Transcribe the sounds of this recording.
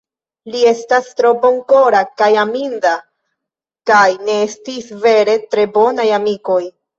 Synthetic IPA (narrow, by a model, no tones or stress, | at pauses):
lie̞stastɾo̞bo̞ŋko̞ɾakajaminda | kajne̞estisve̞ɾe̞tɾe̞bo̞najamiko̞j